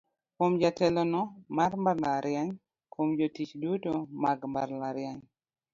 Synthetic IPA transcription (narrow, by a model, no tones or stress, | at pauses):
komd͡ʒatɛlɔnɔmarmaɾlaɾjaɲ | komd͡ʒotit͡ʃdutomaɡmarlaɾjaɲ